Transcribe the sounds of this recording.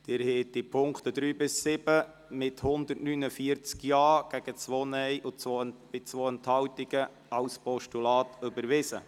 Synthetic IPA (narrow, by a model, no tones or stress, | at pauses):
d̥ɪːɾhɛtipʰʊŋkχt̪ədɾyːbɪsːɪbə | mɪthʊnd̪ərtnynəfiəɾt͡skjɑːɡ̥æɡ̥ət͡sʋoːnɛjʔʊt͡sʋob̥ɪt͡sʋoːənthɑwtɪɡ̥ə | ɑwspɔʃtulɑːtʏbəɾʋɪsə